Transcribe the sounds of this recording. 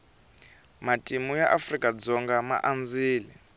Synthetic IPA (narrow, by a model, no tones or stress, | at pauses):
matʼimujaʔafrikʼad͡zɔŋɡama̰ʔand͡ziːli